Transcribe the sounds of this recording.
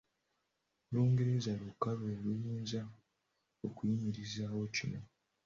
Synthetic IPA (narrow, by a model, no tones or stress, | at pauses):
luːŋɡe̞ɾe̞zalukaβelujiːnza | okujimiɾizaːwo̞cino̞